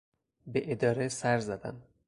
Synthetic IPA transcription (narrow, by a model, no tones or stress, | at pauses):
beʔed̪ɒːɾesæɾzæd̪æ̰n